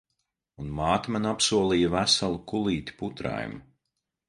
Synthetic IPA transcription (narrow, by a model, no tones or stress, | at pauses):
unmaːt̪mænapsuɔlˠiːjavæsalˠukulˠiːt̪ʲi̥put̪ɾa̰j̰m